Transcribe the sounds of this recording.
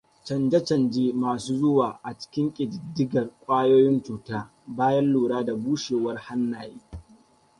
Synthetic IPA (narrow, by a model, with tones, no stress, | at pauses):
t͡ʃɐ˨nd͡ʒɐ˦t͡ʃɐ˨nd͡ʒeː˦maː˨suː˦zʊ˦waː˨ʔa˨t͡ʃɪ̥˦kʲɪ˦ŋkʲʼɪ˨dɪ˨dɪ˦ɡɐ˨rkʷʼaː˦joː˦jɪ˦nt͡ʃuː˨taː˦ | baː˦jɐ˦nluː˨ɽaː˦da˨buː˦ʃeː˨wɐ˦rha˦nːaː˨jiː˦